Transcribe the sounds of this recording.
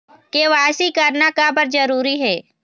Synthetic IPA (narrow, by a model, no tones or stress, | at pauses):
keʋaːsikɐɾnakabəɾd͡ʒɐɾuːɾiɦɛː